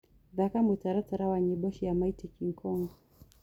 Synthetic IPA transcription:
ðakamutaɾataɾawaɲiɓɔʃijamaitikiŋkʰɔŋɡɔ

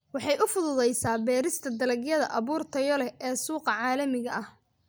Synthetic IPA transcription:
wɑħɑjʔʊfʊðʊðɛjsaːbɛːɾɪst̪ʰɐd̪ɐlɐɡjɐðɐ̰ʔɐβuːrt̪ʰɐjɔlɛʔɛːsuːqɐʕɑːlɐmɪɣɐʔɐh

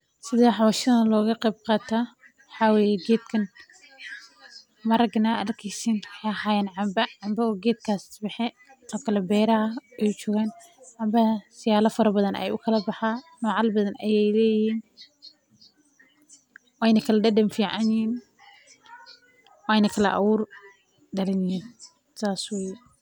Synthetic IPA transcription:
sɪðaːħɑwɐʃɐðɐlɔːɣɐqɛb̚qɑːt̪ʰaː | wɑħɑːwɛːjɛɡɛːd̪kʰɐn | mɐɾɐɡnɐrkʰɛsiːnħɛhaːjɛːnʕɑmbɐʕɑmbɐɔːɡɛːd̪̚kʰaːsbɛħɛ | ɔːkʰɐlɛbɛːɾɐɐʔɛjt͡ʃɔːɣaːn | ʕɑmbɐsɪjaːlɐfɐɾɐbɐðɐnɛ̰jʊkʰɐlɐbɑħaːnɔːʕɑlbɐðɐnʔɐjɛjlɛːjɪhiːn | wɛjnɐkʰɐlɐɖɐɖɐmfiːʕɑnjiːn | wɑjnɐkʰɐlɐ̰ʔɑ̰wuːr | d̪ɐɾɪnɪhiːn | saːswɛj

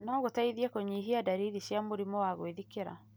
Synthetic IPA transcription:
nɔɣotaiðiɛkoɲiːɦiadaɾiɾiɕjamoɾimɔwaɣoeðikeɾa̰

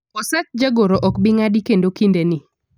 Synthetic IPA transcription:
ɔsat͡ʃ̚d͡ʒaɡoɾoʔɔkbɪŋadikendokindenɪ

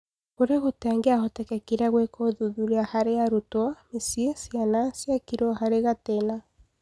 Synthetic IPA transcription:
oɾeɣotɛŋɡeahotɛkɛkiɾaɣwekoðuðuɾeahaɾeaɾutwamesiesjanasjakiɾɔhaɾeɣatena

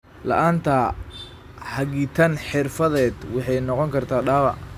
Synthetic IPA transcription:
lɐ̰ʔaːnt̪ʰɐ | hɐɣiːt̪ʰɐnħɪrfɐðɛːd̪wɑħɑjnɔqɔŋkʰɐrt̪ʰaːɗaːβɐ̰

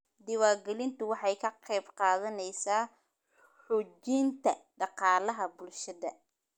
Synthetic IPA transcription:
d̪ɪwaːɡɛlɪnt̪ʰʊwɑħɑjkʰɐqɛjbqɑːðɐnɛjsaː | ħʊd͡ʒint̪ʰɐɖɑqɑːlɐɦɐbʊlʃɐðɐ

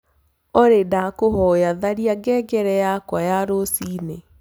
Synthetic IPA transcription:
ɔɾedakoɦɔjaðaɾiaɡɛɡɛɾɛjakwajaɾosiːne

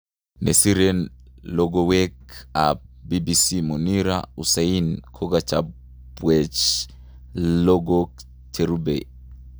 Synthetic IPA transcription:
nesiɾenlɔɡɔwɛka̰bibisimuniɾa̰usainkʰɔɡat͡ʃa | bwɛt͡ʃ | lɔɡɔk | t͡ʃeɾubḛ

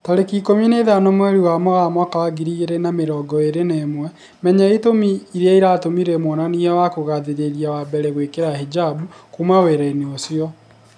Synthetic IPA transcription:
taɾekikomineðanomwɛɾiwamɔɣamwakawaɡiɾiɣeɾenameɾɔɡɔeɾenemwɛ | mɛɲɛetomiːɾeaiɾatomiɾemonaniɛwakoɣaðeɾeɾjawabɛɾɛɣwekeɾahed͡ʒabukumaweɾɛineosjɔ

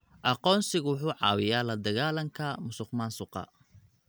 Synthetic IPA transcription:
ʔɑqɔːnsɪɣʊwʊħuːʕɑ̰ːwɪjaːlɐd̪ɐɣaːlɐŋkʰɐmʊsʊqmaːnsʊqɑ̰

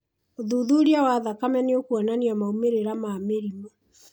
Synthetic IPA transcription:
oðuðuɾiawaðakamɛneokuɔnaniamaumeɾeɾamaːmeɾimɔ

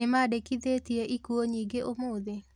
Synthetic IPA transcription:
emadekiðetieʔikuoɲiɡeʔomoːðe

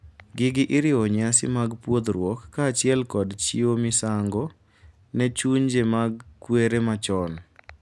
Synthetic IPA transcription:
ɡɪɡɪʔɪɾɪoɲasɪ̰maɡpwod̪ɾwokːaːt͡ʃɪɛlkɔdt͡ʃiomɪsaŋɡɔ | nɛt͡ʃuɲd͡ʒemaɡkweɾemat͡ʃɔn

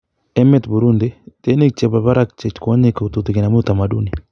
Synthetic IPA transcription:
emet̪buɾundet̪enek̚t͡ʃeβaβaɾak̚t͡ʃet͡ʃkoɲekot̪ut̪ukinamut̪amadṵni

